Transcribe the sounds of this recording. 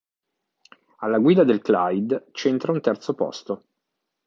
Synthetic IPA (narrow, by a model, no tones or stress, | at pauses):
alːaɡwiːd̪ad̪elklajd̪t͡ʃent̪ɾaunt̪ɛrt̪sopɔ̰st̪o